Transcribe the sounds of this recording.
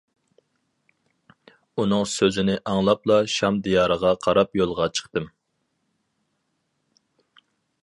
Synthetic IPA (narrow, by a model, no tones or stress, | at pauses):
unɨŋsøzɪnɪʔɑŋlˠɑplˠɑʃɑmd̪ijɑːɾəʁɑqʰɑɾɑpjolˠʁɑt͡ʃʰə̥χt̪ɨm